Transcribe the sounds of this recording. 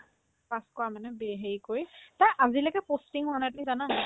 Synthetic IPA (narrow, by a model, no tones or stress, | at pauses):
paskʊwamanɛbɛɦejkojtaʔazilɛkɛpostiŋhʊanatʊnizana